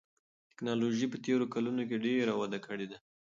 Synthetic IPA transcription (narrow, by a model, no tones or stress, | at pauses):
t̪ɪ̥knɑloʒipət̪eɾokalunok̬eɖeɾawad̪akəɽed̪a